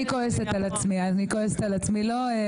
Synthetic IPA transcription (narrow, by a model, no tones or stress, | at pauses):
ikoeset̪alat͡smiazanikoeset̪alat͡smilo̞e